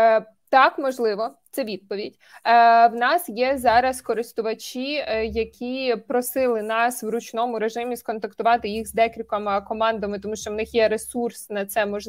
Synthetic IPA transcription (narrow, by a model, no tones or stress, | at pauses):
t̪ɑkmɔʒlˠɪʋɔt̪sɛʋʲid̪̚pɔʋʲidʲ | wnɑsjɛzɑɾɐskɔɾɪst̪ʊʋɐt͡ʃʲijɐkʲʰipɾɔsɪlˠɪnɑswɾʊt͡ʃnɔmʊɾe̞ʒɪmʲiskɔnt̪ɐkt̪ʊʋɑt̪ɪjixzd̪ɛkɾʲikɐmkɔmɑnd̪ɐmɪt̪ɔmuʃt͡ʃɔwnɪxjɛɾesursnɐt̪sɛmɔʒlˠ